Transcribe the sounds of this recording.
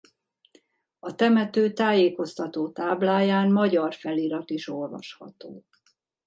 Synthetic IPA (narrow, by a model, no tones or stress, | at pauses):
ɒt̪ɛmɛt̪øːt̪aːjeːko̞st̪ɒt̪oːt̪aːblaːjaːnmɒɟɒrfɛliɾɒt̪iʃo̞lvɒ̰ʃhɒ̰t̪oː